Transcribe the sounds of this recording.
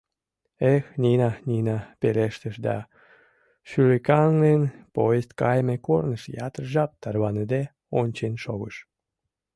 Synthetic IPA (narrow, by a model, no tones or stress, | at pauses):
exnʲinɑnʲinɑpeleʃt̪əʃd̪ɑ̰ | ʃylekɑŋnenpojest̪̚kɑjmekornəʃjɑt̪ərʒɑp̚t̪ɑrβɑnəd̪e | onʲt͡ɕenʃoɣəʃ